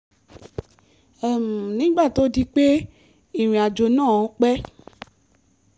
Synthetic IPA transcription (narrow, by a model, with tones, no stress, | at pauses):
ɛ˦˨m̩˨nĩ˦ɡ͡ba˦˨to˨˦di˦k͡pe˦ | i˦˨ɾ̃ĩ˨a˨d͡ʒo˧nãː˦˨˦k͡pɛ˦